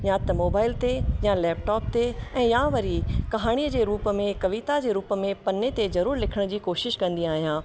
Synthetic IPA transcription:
jãt̪ɐmoːbaːɪlt̪ejalɛːp̚ʈɔːp̚t̪eɛ̃ːjãʋɐɾikɐɦaːɽ̃iəd͡ʑeːɾuːpə̆mẽkɐʋit̪ad͡ʑeːɾuːpə̆mẽpɐnet̪ezɐɾuːɾlɪkʰəɽ̃d͡ʑiːkoːʃɪʃkɐ̃nd̪iaːɦijãː

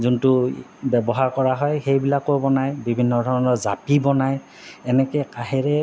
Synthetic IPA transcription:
zuntʊbɛbɔɦaɹkɔɹaɦɔjxejbilakobɔnajbibʱinːɔdʱɔɹɔnɔɹzapibɔnaj | ɛnɛkɛkaɦɛɹɛ

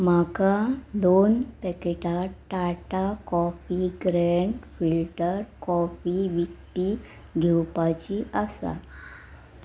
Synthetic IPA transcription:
m̤akad̪onpɛkeʈaʈaʈakɔfiɡɾɛɳɖfilʈəɾkɔfiʋikt̪i | ɡʱɛwpat͡ɕiʔəsa̰

